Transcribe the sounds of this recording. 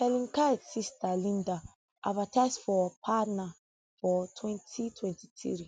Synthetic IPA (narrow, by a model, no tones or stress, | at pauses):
hɛlĩŋkadsistalĩnda | ʔa̰dvataɪsfɔpʰana | fɔtʰwɛ̃ntʰitʰwɛ̃nti̥tḭɾi